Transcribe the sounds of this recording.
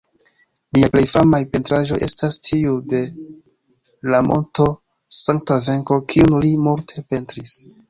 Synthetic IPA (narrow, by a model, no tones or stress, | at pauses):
miaple̞jfamajpe̞ntɾaʒo̞jʔe̞̰stastʰiude̞ | lamʔo̞̰nto̞ | saŋk̚tave̞ŋko̞kʰiunlimuɾtʰe̞pe̞ntɾis